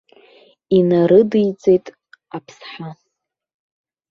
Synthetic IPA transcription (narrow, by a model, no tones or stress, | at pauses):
inaɾɨdɨjt͡sʼe̞jtʼ | apʰsħa